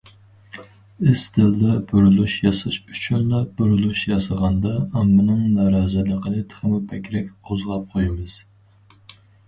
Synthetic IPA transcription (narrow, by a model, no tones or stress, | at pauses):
ɪst̪ʰɪld̪ɛbyɾylyʃjɑsɑʃyt͡ʃʰynlɑbyɾylˠuʃjɑsɑʁɑnd̪ɑɑmːɨnɨŋnɑɾɑːzɨlˠəqʰənɨt̪ʰə̥χəmupʰɛkʲɾɛkʲqʰozʁɑp̚qʰojmɨz̥